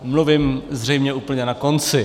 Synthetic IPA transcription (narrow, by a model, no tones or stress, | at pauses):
mluvɪmzr̝ɛjmɲɛuːpl̩ɲɛnakont͡sɪ